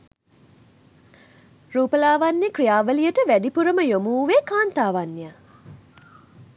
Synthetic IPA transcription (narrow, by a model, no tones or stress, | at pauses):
ruːpəlaːʋanjəkrijaːʋəlijəʈəʋæɖipuɾəməjomuːʋekaːnt̪aːʋanːjə